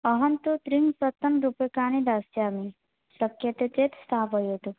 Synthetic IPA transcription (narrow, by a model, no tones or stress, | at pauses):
ɐɦɐnt̪ut̪ɾiŋsɐt̪ːɐnɾupekaːnid̪aːsjaːmi | sɐkjɐt̪et̪eːt̪st̪ʰaːpɐjot̪u